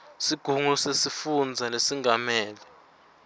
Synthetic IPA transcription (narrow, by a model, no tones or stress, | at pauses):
siɡ̥ʱuŋɔsesifund͡zʱanesiŋɡamɛːlɛ